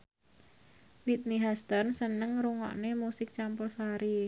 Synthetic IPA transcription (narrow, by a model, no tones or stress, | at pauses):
wit̪̚niɦɛst̪ənsənəŋɾuŋɔ̰ʔnemusɪk̚t͡ʃampʊrsaɾi